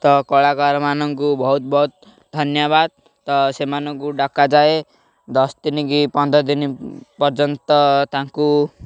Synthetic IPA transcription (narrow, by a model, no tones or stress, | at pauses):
t̪ʌkɔɭakaɾmanʌŋkubʌɦut̪̚bʌɦut̪̚ | d̪ʱʌnjaβad̪̚ | t̪ʌsemanʌŋkuɖakːad͡zae | d̪ʌsd̪inikipʌnd̪ʌd̪inipʌrd͡zʌnt̪ʌt̪ãŋku